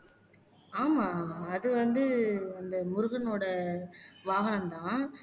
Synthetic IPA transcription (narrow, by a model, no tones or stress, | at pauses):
aːmãːɐðɯʋɐnd̪ɯɐnd̪ɐmʊɾɯɣɐnoːɽɐ | ʋaːɣɐnɐmt̪ãː